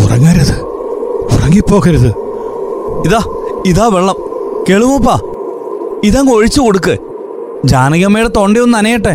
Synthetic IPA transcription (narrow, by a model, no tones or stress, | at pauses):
ṵrɐ̰ŋːɐɾɐðɨ | urɐŋːipːo̞ːɣɐɾuðɨ | iðaː | iðaːʋeɭːɐmkeɭumop̬ːaː | iðaːŋoɻit͡ɕːɨkoɽuk̬ːɨ | d͡ʑaːnɐɣɐmejɽet̪o̞ɳɖijonːɐnɐjɐʈːe